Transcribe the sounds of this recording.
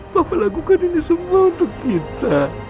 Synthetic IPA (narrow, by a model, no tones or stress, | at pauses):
papalaɡukadinisəmuaunt̪ʊkːit̪a